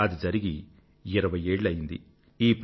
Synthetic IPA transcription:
ɐd̪id͡ʒɐɾiɡi | iɾɐʋɐje̞ːɭːɐjind̪i | iːp

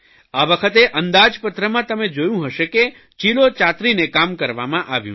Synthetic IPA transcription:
aʋəkʰət̪eʔənd̪ad͡ʒpət̪ɾəmãt̪əmed͡ʒojũɦəʃeke | t͡ʃilot͡ʃat̪ɾinekamkəɾʋa̰mãʔaʋjṵ̃

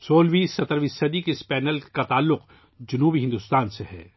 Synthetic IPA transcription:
soːlʋiːsːɐt̪əɾʋisɐd̪ikespɛːnəlkat̪aːlːʊq | d͡ʒɐnuːbiɦɪ̃nd̪ʊst̪aːnsehɛ̰ː

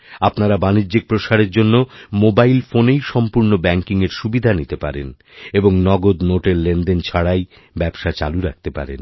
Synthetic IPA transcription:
apnaɾabaniːd͡ʑik̚pɾoʃaɾeɾd͡ʑonːomobajlfonejʃɔmpuɾnobɛŋkiŋeɾʃubid̪ʱanit̪epa̰ɾen | eboŋnɔɡod̪noʈelːenɖent͡ɕʰaɽaj | bɛbʃat͡ɕa̰luɾak̚t̪epa̰ɾḛn

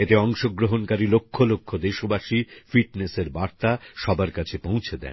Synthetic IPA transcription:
et̪eɔŋʃoɡɾoɦonkaɾilokʰːolokʰːod̪eʃobaʃifiʈneseɾbaɾt̪aʃɔbaɾkat͡ɕʰepõw̃t͡ɕʰed̪ɛ̰n

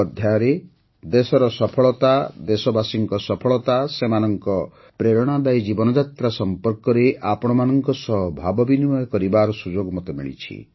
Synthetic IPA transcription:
d̪ʱjaɔɾe | d̪esɔɾɔsɔpʰɔɭɔt̪ad̪esɔbasiŋkɔsɔpʰɔɭɔt̪asemanɔŋkɔ | pɾeɾɔɽ̃ad̪ajd͡ʒibɔnɔd͡ʒat̪ɾasɔmpɔɾkɔɾeʔapɔɽ̃ɔmanɔŋkɔsɔɦbʱabɔbinimɔjɔkɔɾibaɾɔsud͡ʒoɡmɔt̪emḭɭḭt͡ʃʰḭ

